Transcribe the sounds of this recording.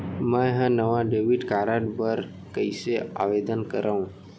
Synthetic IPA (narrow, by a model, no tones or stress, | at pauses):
mə̃ɦãnəʋãɖeʋiʈkaɾaʈbəɾ | kəisea̰ʋed̪ənkəɾʔaũ